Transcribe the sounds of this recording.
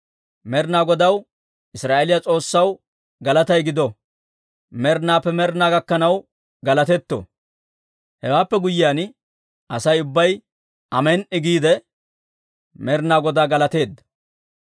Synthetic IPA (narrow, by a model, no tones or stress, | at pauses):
mɛɾnaːɡɔd̪ɐw | ʔɪsɾaːʔelɪjat͡sʼo̞ːsːɐw | ɡɐlɐt̪ɐjɡɪd̪ɔ | mɛɾnaːpːɛmɛɾnaːɡɐkːɐnɐw | ɡɐlɐt̪ɛt̪ːɔ̰ | hɛwaːpːɛɡʊjɪaːn | ʔɐsɐjʊbːɐj | ɐmɛnʔɪɡiːd̪ɛ | mɛɾnaːɡɔd̪aːɡɐlɐt̪e̞ːd̪ːɐ